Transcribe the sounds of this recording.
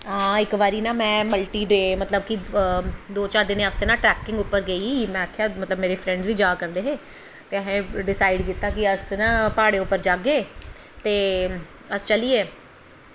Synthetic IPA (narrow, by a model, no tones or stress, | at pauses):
ɦãːɪkʋaːɾiːnãːmɛ̃ːməlʈiːɖɾeːmət̪ləb̚ki | d̪oːt͡ʃaːɾd̪ɪnẽːəst̪eːnãːʈɾɛːkɪ̃ŋɡʊpːəɾɡəiːmɛ̃ːəkʰːeaːmət̪ləbmeːɾeːpʰɾɛ̃ɳɖzʋiːd͡ʒaːkəɾd̪eːɦeː | t̪eːəɦẽːɖɪsaːɪɖkiːt̪ːaːkɪəsnãːpaːɽeːʊpːəɾd͡ʒaːɡeː | t̪eː | əst͡ʃəliːeː